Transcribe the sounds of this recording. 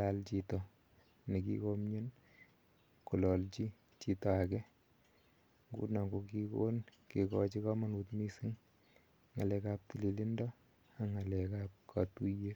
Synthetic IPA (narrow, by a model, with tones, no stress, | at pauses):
la˨lt͡ʃitɔ | ni˨kḭkomɲo˦n | ku˨lɔ˨lt͡ʃi˦ | t͡ʃi˨tɔ˨a˨kɛ˦ | ŋɡṵ˦na˨ɡo˨ki˦ko˦nki˨kɔ̰˦t͡ʃi˦ka˦ma˦nu˨tmi˦si˦ŋ | ŋa˨lɛkap̚ti˨li˨li˦ndɔ˦ | a˨ŋa˨lɛ˨ka˦p̚kʰa̰˨tu˦je˦